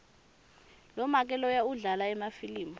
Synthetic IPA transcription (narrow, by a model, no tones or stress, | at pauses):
lɔmak̬ʼɛlɔjauɮalaɛmafiliːmu